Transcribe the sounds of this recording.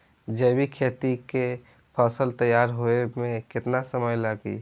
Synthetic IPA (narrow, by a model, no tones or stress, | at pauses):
d͡ʒəːbikʰeːt̪ike | pʰəsəlt̪əjaːɾɦoemẽkɪt̪nasəməjlaːɡḭ